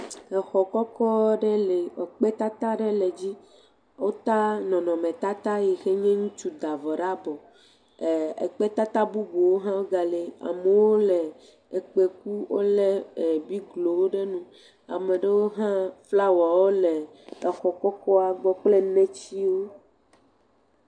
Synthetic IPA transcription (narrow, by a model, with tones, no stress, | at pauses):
ɛ˨xɔ˨kɔ˦kɔ˦ɖe˦le˨e˨k͡pe˦t̪a˦t̪a˦ɖe˦le˨d͡ʑi˦ | wo˦t̪a˦nɔ̃˨nɔ̃˨mẽ˨t̪a˦t̪a˦ji˨xe˦ɲɛ̃˦ŋũ˦t͡ʃu˦d̪a˨vɔ˨ɖa˦bɔ˨ | ḛ˨k͡pe˦t̪a˦t̪a˦bu˦bo˨wo˦ɦã˦wo˦ɡa˨le˨a̰˨me˨wo˦lɛ˨ | e˨k͡pe˨k̚u˦wo̰˦le˦˨bi˦ɡlo˨wo˦ɖe˦nũ˦ | a̰˨me˨ɖe˦wo˦ɦã˦fla˦wɔ˨wo˦le˨ | ɛ˨xɔ˨kɔ˦kɔ˦a˨ɡ͡bɔ˦k͡ple˦nẽ˦t͡ɕi˦wo˦